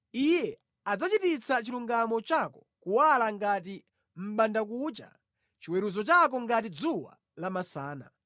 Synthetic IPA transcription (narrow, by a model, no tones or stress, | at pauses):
ijɛ | ad͡zat͡ʃitit͡sʰat͡ʃiluŋɡamɔt͡ʃakɔ̥kuwalaŋɡat̬i | m̩ɓandak̬ut͡ʃa̰ | t͡ʃiwɛɾuzɔt͡ʃak̬ɔŋɡatid͡zuwa̰ | lamasaːna̰